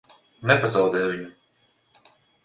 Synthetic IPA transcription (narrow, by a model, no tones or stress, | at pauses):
nɛpazawd̪ɛːvʲiɲu